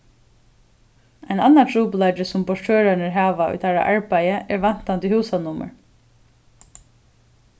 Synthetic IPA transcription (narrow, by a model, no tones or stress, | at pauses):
a̰jnanːat̪ʰɹuːplatɪsʊmpɔʂʈʰøːɾanəɹɦaːʋaʊ̰jt̪ʰaɹa̰ʔaɹpajəʔɛɹʋan̥t̪ant̪ʏhuːsanʊmə̰ɹ